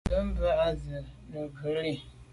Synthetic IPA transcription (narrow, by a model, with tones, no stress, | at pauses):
ə˦m̩˦bə˦a˦zɨ˨nə˨ɡə˨˦ɾi˦